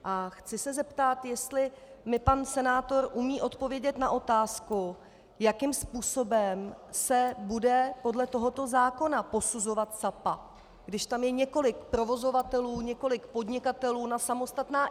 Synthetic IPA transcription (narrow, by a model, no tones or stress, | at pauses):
ʔaxt͡sɪsɛzɛpt̪at̪jɛst̪lɪmɪpansɛnaːt̪o̞ɾʔumiːʔo̞t̪po̞vjɛɟɛt̪naʔo̞t̪aːsku | jakɪmspuːso̞bɛmsɛbudɛpo̞dlɛt̪o̞ɦo̞t̪o̞zaːko̞napo̞suzo̞vat̪sapa | ɡdɪʃt̪amjɛɲɛko̞lɪkpɾo̞vo̞zo̞vat̪ɛluːɲɛko̞lɪkpo̞dɲɪkat̪ɛluːnasamo̞st̪at̪naː